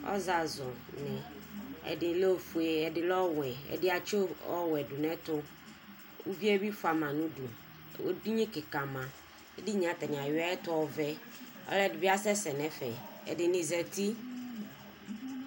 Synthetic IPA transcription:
ɔ̰˦za˨zɔ˨ | nɪ̃˨ɛ̰˨dɪ˨lo˦fu˨e˦ɛ˨dɪ˦lɔ˦wɛ˨ɛ̰˨dɪ˦a˨t͡ʃo˦ɔ̰˦wɛ˨du˨nɛ̃˦t̪ʊ˦ | u˦vi˦ɛ˦bi˦fʊ˦a˨mã˨nũ˦du˨ | o˦du˦ɲĩ˦kɪ˨kã˨mã˨ | ɛ˦dɪ˦ɲ˨ã˨t̪a˨nɪ˨a˨jɪ˦a˦ɛ˦t̪ʊ˦ɔ˨vɛ˦ | ɔ̰˦lɛ˦˨dɪ˨bi˦a˦sɛ˦sɛ˨nɛ̃˦fɛ˨ɛ̰˨dɪ˨nɪ̃˨zɛ˨t̪i˦

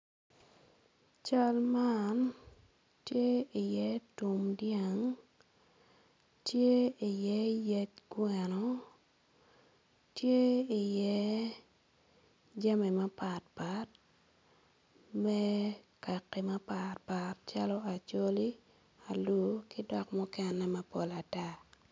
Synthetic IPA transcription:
t͡ʃa˦lman | tje˦ɪ˨jɛ˦tu˨mdja˨ŋ | tje˦i˨jɛ˦jɛ˦t̚ɡwɛ˨nɔ˨ | tje˦ɪ˨jɛ˦ | d͡ʒa˦me˨ma˦pa˨t̚pa˦t̚ | mɛ˦ka˨kːɛ˨ma˦pa˨tpa˨tt͡ʃa˦lɔ˦a˨t͡ʃo˦li˦ | a˨lu˦kɪ˦dɔ˨kmɔ˦kɛ˦nːɛ˦ma˦po˨la˨ta˦

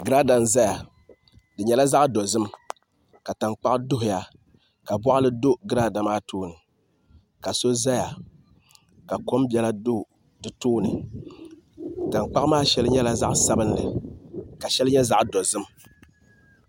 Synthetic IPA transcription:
ɡɨ˦ɾaː˦da˨nza˦ja˨ | dɨ˨ɲɛ˨la˦za˦ʔdo˨zɨ˦m | ka˨ta˨ŋ͡mk͡pa˦ʔdʊ˦ɦʊ˨ja˨ | ka˨bɔ˦ʔa˦lɨ˦do˦ɡɨ˦ɾaː˦da˨maː˦tuː˦nɨ˨ | ka˨so˦za˦ja˨ | ka˨ko˦mbɛ˦la˦do˦˨ | dɨ˨tuː˦nɨ˨ | ta˨ŋk͡pa˦maː˦ʃɛ˦lɨ˦ɲɛ˦la˦za̰˦ʔsa˦bɨ˦nlɨ̰˨ka˨ʃɛ˦lɨ˦ɲɛ˦za˦ʔdɔ˨zɨ˦m

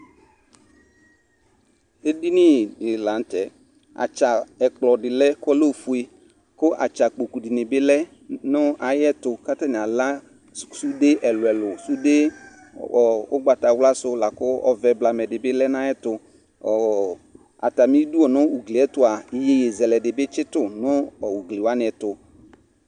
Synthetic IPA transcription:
e˦di˦nɪ˦˨dɪ˨la˨˦n̩˦tɛ˨ | a̰˨t͡ʃa˨ɛ˨k͡plɔ˨dɪ˨lɛ˦kɔ˦lo˦˨fu˨˦e˨ | kʊ˦ʔa̰˨t͡ʃa˨k͡po˨ku˨dɪ˨nɪ˨bɪ˦lɛ˦ | nʊ˦a˨jɛ˦tʊ˨ka˦ta˦nɪ˨a˨la˦ | su˦de˦ʔɛ˨lʊ˨ɛ˨lʊ˨su˦de˦˨ | ʊ˦ɡ͡ba˨ta˨wla˦sʊ˦la˨kʊ˦ɔ̰˨˦vɛ˨bla˨mɛ˨dɪ˨bɪ˦lɛ˦na˦jɛ˦tʊ˨ | a̰˨ta˨mi˦du˦ɔ˨nʊ˦u˨ɡli˨ɛ˦tʊ˨˦a˨je˨je˨zɛ˨lɛ˨dɪ˨bɪ˦t͡ʃɪ˦tʊ˦˨nʊ˦ɔ˨wu˨ɡlɪ˨wa˦nɪ˨ɛ˨tʊ˨

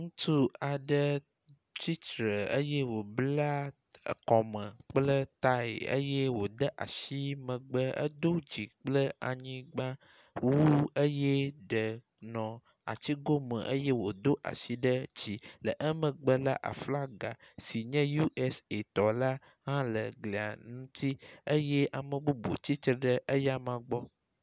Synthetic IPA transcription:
ŋũ˦t̪ʰu˦a˨ɖə˦ | t͡ɕi˦tɾə˨ə˦jɛ˦wo˨bla˦˨ | kɔ˨mə̃˨k͡plə˦t̪a˦ḛ˨ə̰˦je˦wo˨d̪ə˦ʔa̰˨ʃi˦mə̃˨ɡ͡bə˦ə̰˦d̪o˦d͡ʑi˨k͡plə˦a˨ɲĩ˦ɡ͡ba˦ | wu˦ə˦je˦ɖə˨ | nɔ̃˨ | a̰˨t͡ɕi˦ɡo˦mə̰̃˨ʔə˦je˦wo˨d̪o˦ʔa̰˨ʃi˦ɖə˦d͡ʑi˨lə˨ʔə˦mə̃˨ɡ͡bə˦la̰˦ʔa̰˨fla˦ɡa˨si˨ɲɛ̃˦ju˦ʔɛ˦se˨t̪ɔ˨la˦ | ɦã˦lə˨ɡle˨a̰˨nũ˦t̪i˦ə˦je˦ʔa˨mə̃˨ɡ͡bo˦bo̰˨t͡ɕi˦t̪ɾə˨˦ɖə˦ʔə˦ja˦mã˨ɡ͡bɔ˦

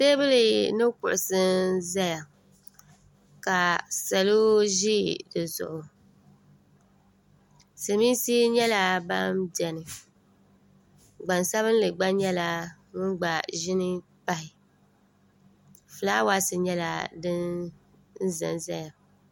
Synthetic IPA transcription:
se˦bɨ˦lɨ˨nɨ˦kʊ̰˨ʔʊ˨sɨ˦za˦ja˨ | ka˨sa˨lo˦ʒi˦dɨ˨zʊ̰˨ʔʊ˨ | sɨ˨mi˦nsi˦ɲɛ˦la˦ba˦mdɛ˨nɨ˨ | ɡ͡ba˨nsa˦βɨ˦n˦lɨ˨ɡ͡ba˦ɲɛ˦la˨ | ŋʊ˦nɡ͡ba˨ʒɪ˦nɨ˦ | k͡ppa˦hɪ˨ | fɨ˨laː˦wa˦sɨ˨ɲɛ˦la̰˨dɨ˦n | n̩˦zɨ̰˨nza˦ja˨

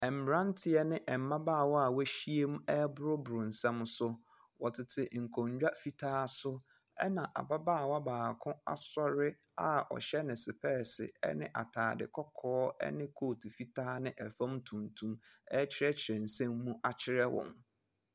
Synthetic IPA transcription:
ɛ˨m̩˨ɾã˦n˦tʰɪ˨ɛ˦nɪ̃˦ʔɛ˨m˦mã˦baː˦˨wɔ˦a˨wæ˦ɕi˦e˦mũ˦ɛ˦bʊ˦ɾʊ˦bʊ˨ɾʊ̃˨n̩˨sɛ̃˦m˦sʊ˦ | wɔ˨tʰɪ˨tʰɪ˨ŋ̩˨kʰɔ̃˨ɲ˦d͡ʑᶣa˦fi˦tʰaː˦sʊ˦ | ɛ̰˦nã˨ʔa̰˨ba˦baː˦˨wa˦baː˨kʰʊ̃˦a̰˨sɔ˦ɾɪ˦ | a̰˨ɔ̰˨ɕɛ˦nɪ̃˨sɪ˨pʰɛː˦˨sɪ̰˨ɛ̰˦nɪ̃˦ʔa̰˨tʰaː˨dɪ̰˨kʰɔ˦kʰɔː˦ɛ̰˦nɪ̃˦kʰoː˦˨tʰi˨fi˦tʰaː˦nɪ̃˦ʔɛ˨fã˦mtʰũ˨ntʰũ˦mɛ˦t͡ɕʰɪ˦ɾɛ˦t͡ɕʰɪ˨ɾɛ̃˨n̩˨sɛ̃˦mːũ˦ʔa˨t͡ɕʰɪ˦ɾɛ˦wɔ̰̃˨m

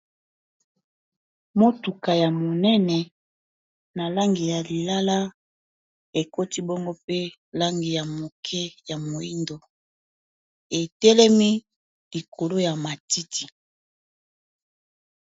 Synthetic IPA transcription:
mo˦tu˨ka˨ja˨mo˨nɛ˦nɛ˨ | na˨la˦ŋɡi˨ja˨li˨la˦la˦ | e˨ko˦ti˦bo˦ŋɡo˦pe˦ | la˦ŋɡi˨ja˨mo˨kʰɛ˦ja˨mo˨i˦ndo˨ | e˨tɛ˦lɛ˦mi˦ | li˨kʰo˨lo˦ja˨ma˨ti˦tʰi˨

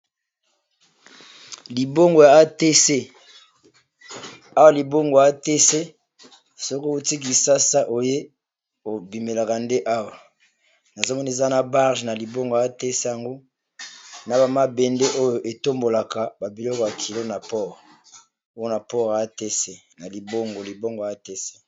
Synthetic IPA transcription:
li˨bo˦ŋɡo˨ja˨a˦te˦se˦ | a˦wa˨li˨bo˦ŋɡo˨a˦te˦se˦ | so˦ko˦o˦˨ti˦k̬i˨sa˦sa˦ʔo˨je˦ | o˨bi˨me˨la˨ka˨nde˦ʔa˦wa˨ | na˨zo˦mɔ˦ni˦e˨za˦na˨ba˦ʁʒna˨li˨bo˦ŋɡo˨a˨a˦te˦se˦ja˨ŋɡo˦ | na˨ba˨ma˦bɛ˨nde˦ʔo˦jo˨ʔe˨to˦mbo˨la˨ka˨ba˨bi˨lɔ˦ko˨ja˨kʰi˨lo˦na˨pɔ˦ʁ | o˦jo˦na˨pɔ˦ʁa˦te˦se˦ | na˨li˨bo˦ŋɡo˨li˨bo˦ŋɡo˨a˦te˦se̥˦

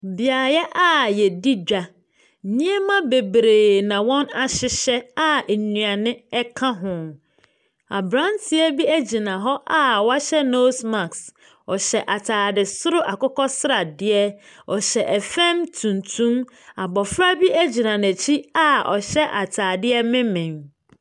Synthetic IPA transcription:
bɪ˨a˨jɛ˦ʔa˦˨jɛ˨di˦d͡ʑᶣa˨ | nĩ˦ɛ˦mã˦be˨bɾeː˨nã˨wɔ̃˦na˨ɕɪ˦ɕɛ˦a˦˨nɥ̃a˨nɪ̃˦ɛ˦kʰã˦ɦʊ̃˨ | a̰˨bɾã˦ntʰɪ˦ɛ˦bi˦æ˦d͡ʑi˨nã˨ɦɔ˦ʔa˦wa˦ɕɛ˦no˦sma˨ks | ɔ˨ɕɛ˨ʔa˨tʰaː˨dɪ˨sʊ˦ɾʊ˦ʔa˨kɔ˦kɔ˦sɾa˨dɪ˦ɛ˦ɔ˨ɕɛ˨ʔɛ˨fɛ̃˦mtʰũ˨ntʰũ˦m | a˨bɔ˨fɾa˦bi˦ʔæ˦d͡ʑi˨nã˨næ̃˨t͡ɕʰi˦a˦ɔ̰˨ɕɛ˦ʔa˨tʰaː˨dɪ˦ɛ˦mɪ̃˦mɪ̃˨ŋ

